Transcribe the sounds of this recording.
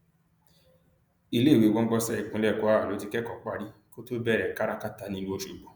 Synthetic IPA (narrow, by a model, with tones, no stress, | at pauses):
i˧le˦˨we˨˦˨wɔ̃˦ɡ͡bɔ˧sɛ˦˨k͡pũ˨˦lɛ˦˨kɔ˨˦a˦wa˨lo˨˦ti˧kɛ˦kɔ˨k͡pa˦˧ɾi˦ko˦to˦bɛ˦˨ɾɛ˨ka˦ɾa˦ka˦ta˨˦nĩ˧o˧˦ʃu˨ɡ͡bɔ˨